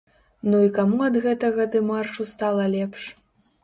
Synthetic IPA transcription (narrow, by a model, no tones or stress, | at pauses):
nuikamuɐd̪ɣɛt̪ɐɣɐd̪ɨmarʂust̪alˠɐlʲɛpʂ